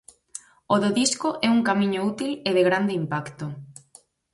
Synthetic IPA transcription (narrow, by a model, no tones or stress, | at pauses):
oðʊðiskoʔɛuŋkamĩɲʊut̪ileðeɣɾand̪eimpakt̪ʊ